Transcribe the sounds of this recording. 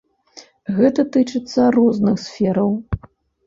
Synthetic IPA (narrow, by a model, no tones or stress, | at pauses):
ɣɛt̪ɐt̪ɨt͡ʂɨt̪sːɐrɔznɨxsʲfʲɛɾɐw